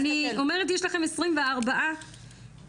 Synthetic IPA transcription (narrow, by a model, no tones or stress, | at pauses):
nio̞meʁet̬jeʃlaχe̞mesʁimveaʁbaʔa